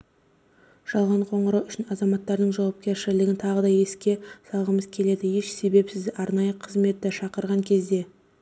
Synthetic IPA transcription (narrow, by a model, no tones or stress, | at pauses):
ʒ̥ɑlˠʁɑɴqʰo̞ɴəɾɑwʏʃɪnɑzɑmɑt̪ːɑɾd̪əɴʒɑwɑp̚kʲe̞ɾʃɪlɪɡʲɪnt̪ʰɑʁəd̪ɑje̞skʲe̞sɑlˠʁəməzkʲʰe̞le̞d̪ɪje̞ʃse̞be̞psɪzd̪ʔɑɾnɑjəqʰəzme̞t̪ːɪʃɑqəɾʁɑŋkʲʰe̞zd̪e̞